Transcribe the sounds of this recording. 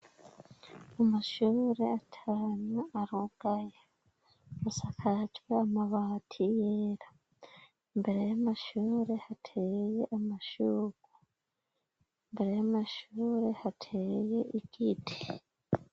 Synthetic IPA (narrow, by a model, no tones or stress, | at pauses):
amaʃuːɾeatʰanuaɾoɡ̥aja | masakʰacweamaβaːtʰijeɾḁ | mbe̞ɾejamaʃuːɾe̞hatʰejeʔamaʃuːɡu | mbeɾejamaʃuːɾe̞hatʰejeʔiɟiti̥